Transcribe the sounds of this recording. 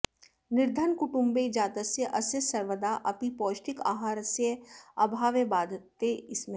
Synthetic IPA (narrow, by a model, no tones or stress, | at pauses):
nɪɾd̪ʱənkʊʈʊ̃mbeɪd͡ʒaːt̪əsjəʔɐsjəsɐɾʋəd̪aʔɐpipɔːʃʈɪka̰ːɦaːɾəsjəɐbʱaːʋjəbaːd̪ʱt̪eɪsmẽ